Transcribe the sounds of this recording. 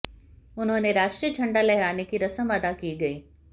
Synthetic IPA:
ʊnɦõːneɾaːʃʈɾijəd͡ʒʰɐ̃ɳɖalɛɦɾaːnekiɾɐsəmʋad̪akiːɡɐiː

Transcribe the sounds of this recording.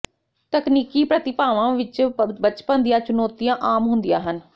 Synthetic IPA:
t̪əkniːkiːpɾət̪ɪpaːʋãːʋɪt͡ʃbət͡ʃpənd̪ijãːt͡ʃʊnoːt̪ijãːʔaːmɦʊnd̪ijãːɦən

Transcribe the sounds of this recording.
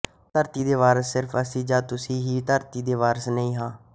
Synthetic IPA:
t̪əɾt̪iːd̪eːʋaːɾəsːɪɾfʰəsiːd͡ʒaːt̪ʊsĩːɦiːt̪əɾt̪iːd̪eːʋaːɾəsnəĩːɦãː

